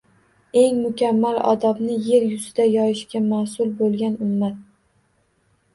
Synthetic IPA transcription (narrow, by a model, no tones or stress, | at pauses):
e̞ŋmʊkʲamːalɒ̰d̪ɒbnɪje̞ɾjʊzɪd̪ajɒjɪʃkʲamasʊlˠbolˠɡʲanʊmːat̪̚